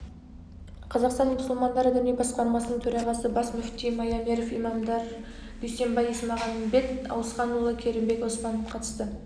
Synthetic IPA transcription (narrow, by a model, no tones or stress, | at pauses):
qʰɑzɑqst̪ɑnmʊsʊlˠmɑnd̪ɑɾəd̪ʏnebɑsqɑɾmɑsənəɴt̪ʰɵɾɑʁɑsəbɑsmʏft̪ijmɑjameɾofḭmɑmd̪ɑɾ | d̪ejse̞mbɑjəsəmɑʁɑnːbe̞t̪ɑ̰wəsqɑnulˠəkʲʰe̞ɾɪmbe̞kospɑnəfqʰɑt̪ə̥st̪ə